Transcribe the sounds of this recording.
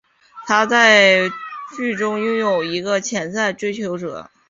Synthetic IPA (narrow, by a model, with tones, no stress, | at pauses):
t̪ʰa˥t͡sa˥˧ɪt͡ɕy˥˩ʈ͡ʂʊ˥ŋjʊ˥˩ŋjo˨˩ʊi˧˥ɡə˧t͡ɕʰjɛ˧˥nsa˥˩ɪʈ͡ʂwe˥ɪt͡ɕʰjo˧˥ʊʈ͡ʂɤ̰˨˩˦